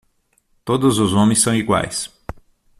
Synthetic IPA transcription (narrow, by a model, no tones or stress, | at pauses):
t̪od̪ʊzʊzõmẽj̃sːɐ̃w̃iɡwa̰js